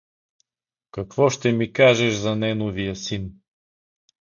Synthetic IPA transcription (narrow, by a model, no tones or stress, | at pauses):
kɐkvɔʃt̪ɛmikaʒɛʃzɐnɛnovijəsin